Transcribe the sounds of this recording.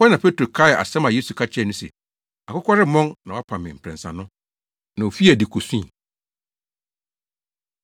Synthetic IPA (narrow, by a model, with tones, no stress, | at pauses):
ɔ˦nã˨pʰe˦tʰɾo˨kʰa˦ɪ˨ʔa̰˨sɛ̃˦mã˨je˦su˨kʰa˦t͡ɕʰɛ˦˨nʊ̃˦sɛ̰˨ | a˨kʊ˦kʰʷɔ˦ɾɪ˦mɔ̃˦nnã˨wa˦pʰã˨mɪ̃˨m̩˨pʰɾɛ̰̃˨n˨sã̰˨nʊ̃˦ | nã˨o˨fi˦æ˨di˨kʰo˨sũ˦i˨